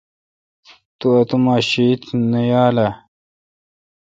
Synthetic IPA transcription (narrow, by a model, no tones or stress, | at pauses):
t̪uɐt̪umaːɕiit̪nɐjaːla